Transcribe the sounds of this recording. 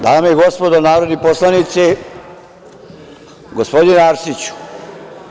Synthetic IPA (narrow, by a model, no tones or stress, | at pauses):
d̪aːmeiɡo̞spo̞d̪onaːɾod̪neposlˠanit̪se | ɡospo̞d̪ineaɾsit͡ɕu̥